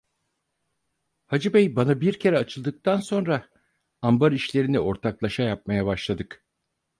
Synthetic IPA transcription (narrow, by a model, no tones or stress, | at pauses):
had͡ʒɯbɛjbanabiɾcʰe̞ɾɛat͡ʃʰɯlˠd̪ɯk̚t̪ʰanso̞nɾa | ambaɾiʃlʲe̞ɾinio̞ɾt̪ʰaklˠaʃajap̚majabaʃlˠad̪ɯk